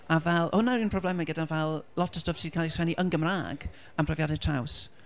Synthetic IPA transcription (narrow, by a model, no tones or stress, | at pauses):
avɛlˠhʊnaɾiːnprɔblɛmaɡədanvɛlˠlˠɔtʰə̥stəfsʰi̥ːkʰalˠisɛniʔənɡəmra̰ːɡ | ampʰrɛvjadɪ̥tʰr̥aws